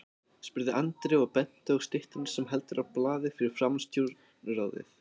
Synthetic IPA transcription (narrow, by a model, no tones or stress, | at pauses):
spʏɾðɪʔant̪ɾɪapɛn̥t̪ɪɔɣst̪ɪht̪ɪnsɛmɦɛlt̪ʏɾʔawplaːðɪfɪɾɪɾ̥fɾamst̪ʰjuɾ | raːwðɪ̰θ